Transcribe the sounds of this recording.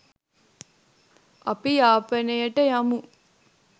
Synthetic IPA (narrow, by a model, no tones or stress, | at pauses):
ɐpijaːpɐnejəʈəjamu